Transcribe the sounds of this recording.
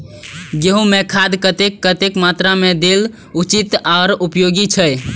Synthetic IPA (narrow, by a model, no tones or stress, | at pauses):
ɡeɦũmekʰad̪kət̪ekːət̪ekmat̪ɾamed̪el | ut͡ʃit̪aːɾupjoɡit͡ʃʰəj